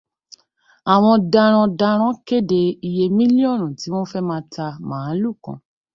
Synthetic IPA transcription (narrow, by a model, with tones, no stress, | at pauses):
a˨w̃ɔ̃˧da˧ɾ̃ɔ̃˧da˧ɾ̃ɔ̃˦ke˦de˧i˧je˧mĩ˦li˦ɔ̃˦˨ɾũ˨ti˨˦w̃ɔ̃˦fɛ˦mãː˦ta˧mãː˨˦lu˦˨kã̰˨˧